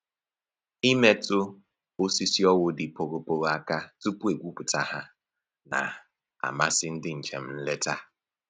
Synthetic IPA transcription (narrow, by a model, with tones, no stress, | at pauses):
i˦me˦tʊ˦ | o˦si˦si˦ɔ˦wʊ˦dɪ˨po˨ɾo˦po˨ɾo˦a˦ka˦tu˦pu˦e˨ɡʷu˦pʊ˨ta˦ɦa˦ | na̰˨ | a̰˨ma˦sɪ˦n̩˦dɪ˦ɲ̩˨t͡ʃe˨m̩˦n̩˦le˦ta˦